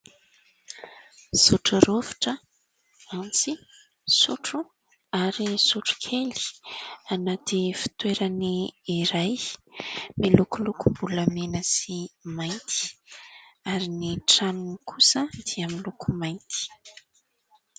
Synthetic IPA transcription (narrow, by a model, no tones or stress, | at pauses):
suʈ͡ʂaɾovi̥ʈ͡ʂə | ant͡si | suʈ͡ʂu | aɾisuʈ͡ʂu̥kʰeli̥anat̪ifi̥t̪weɾaniːɾaj | milukulukumbulamenəsimajnt̪ʰi̥ | aɾiniʈ͡ʂanunikʰusəd̪̥iamilukʰumajnt̪i̥